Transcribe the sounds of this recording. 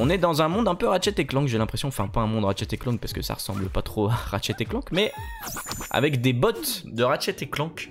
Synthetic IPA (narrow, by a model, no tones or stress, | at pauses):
ɔ̃nɛd̪ɑ̃zɛ̃mɔ̃d̪ɛ̃pøʁat͡ʃɛt̪eklɑ̃kʒelɛ̃pχesjɔ̃fɛ̃ɛ̃pøɛ̃mɔ̃d̪ʁat͡ʃɛt̪eklɑ̃k̚paʁskəsa̰ʁəsɑ̃bləpat̪χoaʁaʃɛt̪eklɑ̃kmɛ | a̰vɛkd̪ebɔt̪d̪əʁat͡ʃɛt̪eklɑ̃k